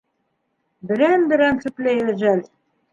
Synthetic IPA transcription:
bɘ̆ɾænbɘ̆ɾænsɘ̆plæjæʒæl

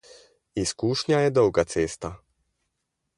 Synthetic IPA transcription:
iskuʂɲajɛd̪ɔwɡat̪sest̪a

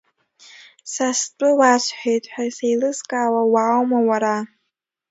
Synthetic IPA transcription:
sast͡pʷʼɨwaʃʷʰħᶣejtʼħᶣasejlɨzkʼaːwawaːwmawaɾa

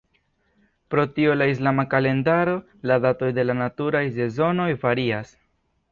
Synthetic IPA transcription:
pɾo̞tio̞lais̬lamakale̞ndaɾo̞ | ladato̞jde̞lanatuɾajse̞zo̞no̞jvaɾias

